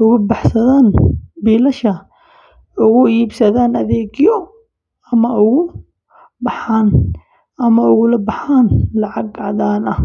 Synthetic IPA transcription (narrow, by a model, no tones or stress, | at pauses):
ʔʊɣʊbɑħsɐðaːnbiːlɐʃɐ | ʊɣʊiːbsɐðaːnɐðɛːɡjɔ | ɐmɐʊɣʊ | bɑħaːn | ɐmɐʊɣʊlɐbɑħaːnlɑʕɑɡʕɑðaːnɐh